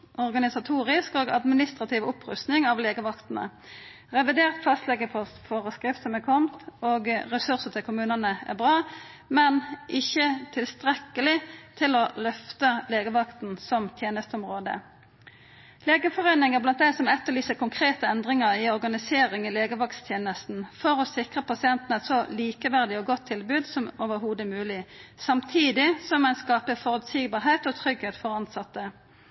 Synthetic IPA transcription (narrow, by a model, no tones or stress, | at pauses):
ɔʁɡɑnɪsɑt̪ʰuːʁɪskoːɡɑ̰d̪mɪnɪst̪ʁɑt̪ʰɪʋʊpʁʉ̰st̪nɪŋɑʋleːɡəʋɑkt̪n̩ə̰ | ʁɛʋɪd̪eːʁt̪fɑst̪lɛɡəpʰɔsfoʁəskʁɪft̪sɔmɛkʰɔmt̪oːɡʁɛsʉʁsət̪ʰɪlkʰʊmʉːnənəæ̰ʁbʁɑː | mɛnʔɪçːət̪ʰɪlst̪ʁɛkːəlɪt̪ʰɪlolœft̪əleːɡəʋɑkt̪n̩sɔmt̪ʰjeːnəst̪əɔmʁoːd̪ə̰ | leːɡəfɔʁœʏnɪŋəblɑnt̪̚d̪æɪsɔmɛt̪ːəʁlyːsəkʊŋkʰʁeːt̪əɛnd̪ʁɪŋəʁɪɔɾɡɑnɪseːʁɪŋɪleːɡəʋɑkt̪st̪ʰjeːnəst̪n̩fɔɾɔsɪkʁəpɑsɪɛnt̪n̩æɛt̪sɔliːkəʋæʁd̪ɪɔɡɔt̪ʰːɪlbʉːd̪sɔmoːʋəʁhuːd̪əmʉːlɪsɑmt̪ʰiːd̪ɪsɔmːɛnskɑːpəfɔʁʉd̪siːɡbɑːʁɦeːt̪ɔt̪ʰʁʏɡheːt̪fɔʁɑnsɑt̪ːə